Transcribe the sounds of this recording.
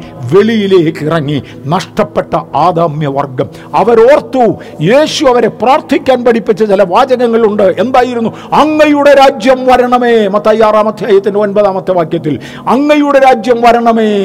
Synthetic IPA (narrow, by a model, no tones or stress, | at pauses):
ʋe̞ɭijile̞ːkːirɐŋːi | nɐʂʈɐpːe̞ʈːɐaːd̪aːmjɐʋɐ̰rɡɐm | ɐʋɐɾo̞ːrt̪ːu | je̞ːɕuɐʋɐɾe̞praːrt̪ʰikʲːaːnpɐɽipːit͡ɕːɐt͡ɕilɐʋaːd͡ʑɐnɐŋːɐɭuɳɖɨe̞nd̪aːjiɾunːu | ɐŋːɐjuɽe̞ɾaːd͡ʑjɐmʋɐɾɐɳɐme̞ːmɐt̪ːaːjaːraːmɐt̪ʰjaːjɐt̪ːinde̞o̞npɐðaːmɐt̪ːɐʋaːkjɐt̪ːil | ɐŋːɐjuɽe̞ɾaːd͡ʑjɐmʋɐɾɐɳɐmeː